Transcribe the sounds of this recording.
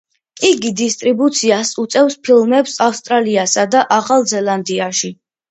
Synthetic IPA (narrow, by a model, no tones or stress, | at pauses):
iɡid̪ist̪ʼɾibut̪sʰiasut̪sʼɛfspʰilˠmɛpsafst̪ʼɾaliasad̪aʔaχalˠzɛlˠand̪iaʃi